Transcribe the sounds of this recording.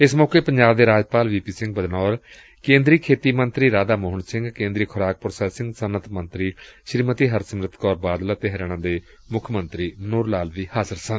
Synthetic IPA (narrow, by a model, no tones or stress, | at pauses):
ɪsmɔːkeːpəɲd͡ʒaːb̚d̪eːɾaːd͡ʒpaːlʋiːpiːsɪ̃ŋɡ̚bəd̪nɔːɾ | kẽːnd̪ɾiːkʰeːt̪iːmənt̪ɾiːɾaːd̪aːmʊːɦəɳsɪ̃ŋɡkẽːnd̪ɾiːkʰʊɾaːk̚pɾsɛːsɪ̃ŋɡsənət̪mə̃nt̪ɾiːʃɾiːmət̪iːɦəɾsəmɾɪt̪ʰkɔːɾbaːd̪laːt̪ɪɦɾɽ̃ãːd̪eː | mʊkʰːmənt̪ɾiːmənuːɾlaːlʋiːhaːzəɾsən